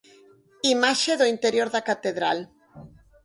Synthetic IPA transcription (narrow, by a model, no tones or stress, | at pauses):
imaʃeðoint̪eɾjoɾðakat̪eðɾal